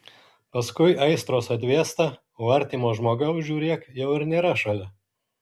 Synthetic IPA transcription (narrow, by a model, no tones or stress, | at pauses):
pɐskʊɪʔɐɪst̪ɾoːsɐt̪ʲʋʲeːst̪ɐ | ʋɐɾʲt̪ʲiːmoːʒmoːɡɐʊʒʲuːɾʲeːkjɛʊɪɾnʲeːɾɐʃɐlʲɛ